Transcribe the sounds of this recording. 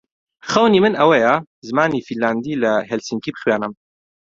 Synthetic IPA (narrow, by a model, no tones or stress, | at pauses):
χɐwniːmɨnɐwɐja | zɨmaːniːfilːaːnd̪iːlɐɦɛlsiŋkiːbɨ̥χwjaːnɐm